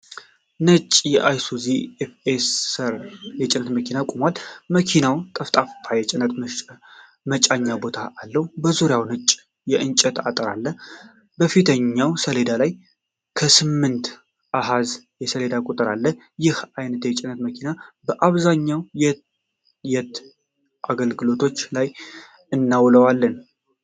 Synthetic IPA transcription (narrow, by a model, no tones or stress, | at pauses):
nət͡ʃʼːjɛʔajsuziefesəɾjɛt͡ʃʼɪnːət̪məkʰinakʼumalməkʰinawt̪ʼəft̪ʼaft̪ʰajɛt͡ʃʼɪnːət̪ | mət͡ʃʼaɲːabo̞t̪ʰaʔːlːəhubəzuɾjawnət͡ʃʼ | jɛʔɨnt͡ʃʼət̪ʰa̰t̪ʼəɾalːə | bəfit̪ʰəɲːawsəle̞d̪alaj | kʰəsɨmːɨnt̪ | ʔaɦaz | jɛsəle̞d̪akʼut̪ʼɨɾalːə | jɪhajnət̪jɛt͡ʃʼɪnət̪məkʰinabəʔaβzaɲːawjɛ | jɛt̪ | ʔaɡəlɡɨlo̞t̪ʰo̞t͡ʃːlaj | ɨnːawləwalːən